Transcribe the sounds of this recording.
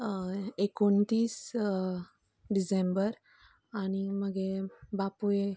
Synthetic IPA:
ekoɳt̪iːs | ɖisembəɾ | aɽ̃iməɡebapuje

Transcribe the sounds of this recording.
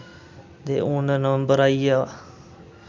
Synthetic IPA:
d̪eːʔũːnənəʋəmbəɾaːiːaː

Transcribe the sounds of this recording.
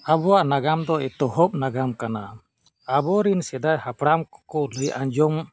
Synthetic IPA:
abɔwaʔnaɡamd̪ɔɛt̪ɔhɔp̚naɡamkana | abɔɾinsɛd̪ajhapɽamkɔ̥kɔləjʔãɲd͡ʒɔm

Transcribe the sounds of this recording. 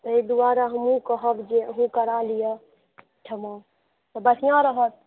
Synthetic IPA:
t̪ɔid̪uaɾaɦəmũkəɦəbd͡ʒeəɦũkəɾalijə | ʈʰəmã | t̪ɔbəsijãɾəɦət̪̚

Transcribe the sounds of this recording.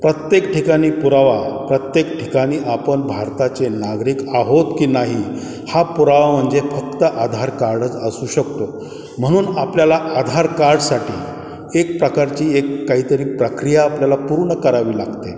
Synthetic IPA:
pɾət̪jekʈʰikaɽ̃iːpuɾaʋapɾət̪jekʈʰikaɽ̃iːʔapəɳbʱaɾt̪at͡senaɡɾiːkaɦot̪kiːnaɦi | hapuɾaʋam̤əɳd͡zefək̚t̪əʔad̪ʱaɾkaɾɖət͡səsuːɕək̚t̪o | m̤əɽ̃uːnapljalaʔad̪ʱaɾkaɾɖsaʈḭː | ek̚pɾəkaɾt͡ɕiːekːaɦiːt̪əɾiːpɾəkɾijaːpljalapuɾɳəkəɾaʋiːlaɡt̪e

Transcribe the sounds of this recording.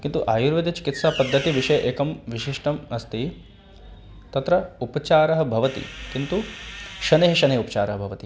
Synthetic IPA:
kint̪uʔaːjuɾʋɐd̪et͡ʃi̥kit̪saːpɐd̪ʱːɐt̪iʋiʂɐjɐʔeːkɐmʋiʃiʂʈɐmɐst̪i | t̪ɐt̪ɾɐupɐt͡ʃaːɾɐɦɐ̆bʱɐʋɐt̪ḭkint̪uʃɐneɦɐʃɐnejupɐt͡ʃaːɾɐɦɐbʱɐʋɐt̪i

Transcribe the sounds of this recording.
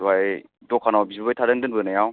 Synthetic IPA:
aj | dɔkʰanawbizɯbajtʰaɾɯndɯnbɯnajaw

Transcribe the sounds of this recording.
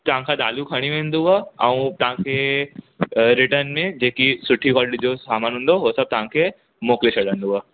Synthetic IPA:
t̪ɐʋ̤ãkʰad̪aːlukʰɐɽ̃jũʋẽːnd̪uaɐũt̪ɐɦãkʰe | ɾɪʈəɾnmẽd͡ʑeːkisʊʈʰikɔːlɖid͡ʑosaːmaːnɦʊ̃ːn̆d̪oɦoːsɐb̚t̪ɐʋɦãkʰe | moːklet͡ɕʰɐɽə̃nd̪uɦaː

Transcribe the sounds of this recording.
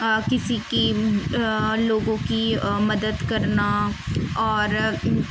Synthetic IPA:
kɪsiːki | loːɡõkiməd̪əd̪kəɾnaːɔːɾ

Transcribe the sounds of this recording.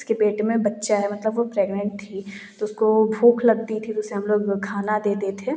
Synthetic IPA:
ɪskebeːʈemẽbɐtːʃaɦɛmɐt̪ləbʋopɾeːɡnə̃ɳʈ̚t̪ʰit̪oʊskobʱuːkʰlɐɡt̪it̪ʰit̪oʊseɦɐmloːɡkʰaːnad̪eːd̪et̪ʰeː

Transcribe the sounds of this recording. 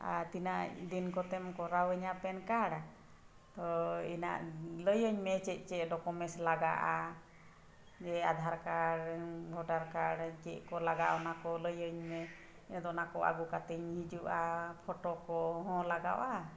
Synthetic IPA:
a̰t̪inad̪inkɔt̪ɛmkɔɾawɛɲapɛnkaɽ | t̪ɔina̰ʔləjəɲmɛt͡ʃɛc̪̚ˀt͡ʃɛʔɖɔkɔmɛslaɡa̰ʔa | d͡ʒɛad̪ʱaɾkaɽbʱɔɖaɾkaɽt͡ʃɛʔ̚kɔlaɡaʔɔnakɔləjəɲmɛ | inad̪ɔnakɔʔa̰ɡukat̪iɲhid͡ʒuʔapʰɔʈɔkɔɦɔ̃laɡa̰wʔa

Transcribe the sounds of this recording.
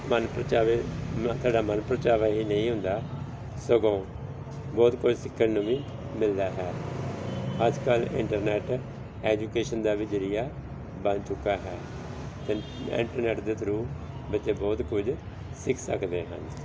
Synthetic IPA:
mənpɾət͡ʃaːʋeːmt̪ʰoaːɖaːmənpɾət͡ʃaːʋaːɦiːnəĩːɦʊ̃nd̪aː | soɡõː | bɔːt̪kʊd͡ʒsɪkʰːənũːʋĩː | mɪld̪aːɦɛː | əd͡ʒkəlɪ̰ɳʈəɾnɛːʈ | ɛːd͡ʒuːkeːʃənd̪aːʋiːd͡ʒəɾɪjaː | bənt͡ʃʊkːaːɦɛː | t̪e | ɪ̰ɳʈəɾnɛːʈd̪eːt̪ʰɾuː | bətːt͡ʃeːbɔːt̪kʊd͡ʒ | sɪkʰsəkd̪eːɦə̰n

